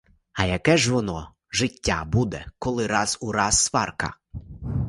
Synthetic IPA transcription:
ɐjɐkɛʒʋɔnɔ | ʒɪtʲːa̰bud̪ɛkɔlˠɪɾɑzuɾɑsːʋɑ̰rkɐ̰

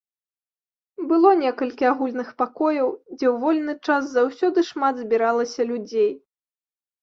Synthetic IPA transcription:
bɨlˠɔnʲɛkɐlʲkʲiaɣulʲnɨxpakɔjɐwd͡zʲɛwvɔlʲnɨt͡ʂaszawsʲɔd̪ɨʂmad̪zʲbʲiɾalˠɐsʲɐlʲud͡zʲej

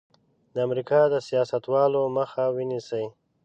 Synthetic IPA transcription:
d̪əamɾikɑd̪əsijɑsat̪wɑloməxawinisəj

